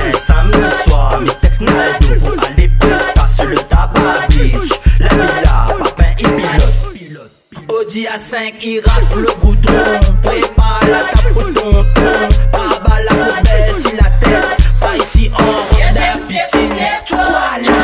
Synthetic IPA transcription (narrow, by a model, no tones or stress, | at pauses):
samd̪iswaʁmet̪ɛkst̪nɛɛd̪ualepɔ̃st̪asylət̪ababit͡ʃla̰mila̰papɛ̃ʔepilɔt̪ | od̪iasɛ̃kiʁakləɡud̪ɔ̃pʁepalat̪apot̪ɔ̃t̪ɔ̃pabalakɔbɛsilat̪ɛt̪paisiʔɑ̃ʁɔd̪afisint̪ukɔale